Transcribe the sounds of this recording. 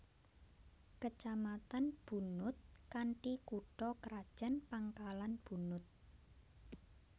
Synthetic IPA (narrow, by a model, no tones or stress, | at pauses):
kət͡ʃamat̪anb̥ṳnʊt̪̚kaɳʈikuɖ̥ɔkəɾad̥ʒ̥a̤npaŋkalanb̥ṳnʊt̪̚